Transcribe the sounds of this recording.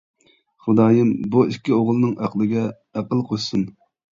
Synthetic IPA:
χʊd̪ɑːjɨmbuikʲːioʁlˠɨnɨŋʔæqlˠɨɡʲɛ | æqəlˠqʰojsɨn

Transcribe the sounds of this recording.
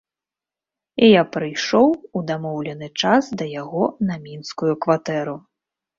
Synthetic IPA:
ijapɾɨjʂɔwud̪amɔwlʲɛnɨt͡ʂasd̪ɐjaɣɔnɐmʲinskujukvat̪ɛɾu

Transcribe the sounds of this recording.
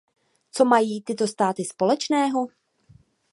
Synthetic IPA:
t͡so̞majiːt̪ɪt̪o̞st̪aːt̪ɪspo̞lɛt͡ʃnɛːɦo̞

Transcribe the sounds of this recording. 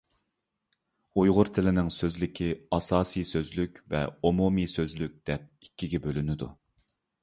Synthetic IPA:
ujʁʊɾt̪ʰɪlɪnɪŋsøzlɪkʲʰiɑsɑːsijsøzlykʲvɛ̰omumisøzlyk̚ʲd̪̥ɛp̚ikʲːiɡʲɛbølynɪd̪u

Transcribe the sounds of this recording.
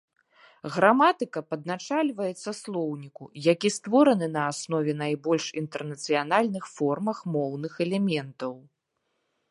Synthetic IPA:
ɣɾamat̪ɨkɐpɐd̪̚nat͡ʂalʲvɐjɛt̪sːɐslˠɔwnʲikujakʲist̪vɔɾɐnɨnɐːsnɔvʲɛnajbɔlʲʂint̪ɛrnɐt̪sɨjanalʲnɨxfɔrmɐxmɔwnɨxɛlʲɛmʲɛnt̪ɐw

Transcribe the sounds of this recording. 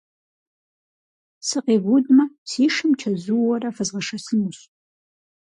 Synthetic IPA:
sɨqeːɡʷudmɐsiːʂɨmt͡ʃʰɐzuwɔrɐfɐzʁɐʂɐsɨnuɕ

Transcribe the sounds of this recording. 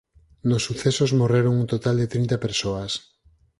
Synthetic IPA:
nosːuθesozmoreɾoŋunt̪ot̪ald̪et̪ɾĩnt̪apeɾsoas

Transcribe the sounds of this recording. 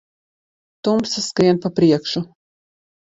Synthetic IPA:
t̪umpsaskɾiɛnpapɾiɛkʃu

